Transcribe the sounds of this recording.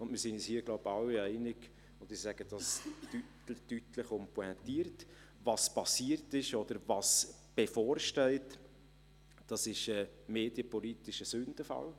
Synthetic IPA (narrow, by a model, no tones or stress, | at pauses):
ʊndmiːsɪnɛshiːəɡ̥loʊbɑlːiæɪnɪɡ̥ | ʊndɪsæɡ̥əd̥ɑstyttytləχɔmpuɛnt̪iəɾt | vɑspɑsiəɾtɪʃɔd̥̪əɾvɑs | b̥efɔːɾʃtɛɪt | d̥ɑsɪʃəmeːd̥jəpɔlit̪ɪʃəsʏnd̥əfɑ̰l